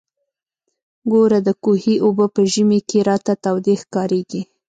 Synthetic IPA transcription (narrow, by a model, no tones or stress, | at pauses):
ɡoɾad̪əkuhiʔobəpəʒəmekeɾɑt̪at̪awd̪exkɑɾeɡi